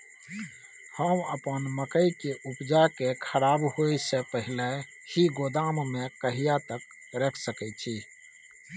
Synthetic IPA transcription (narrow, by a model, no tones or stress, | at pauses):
həməpənməkəikeʔupd͡ʒakekʰəɾabhojsepəɦile | hiɡod̪ammekəɦijat̪ək | ɾekʰsəkɛt͡ʃʰi